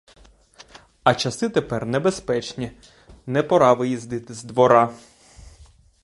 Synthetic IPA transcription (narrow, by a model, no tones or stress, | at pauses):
ɐt͡ʃɐsɪt̪epɛrnɛbespɛt͡ʃnʲi | nɛpɔɾɑʋɪjizd̪ɪt̪ɪzd̪ʋɔɾɑ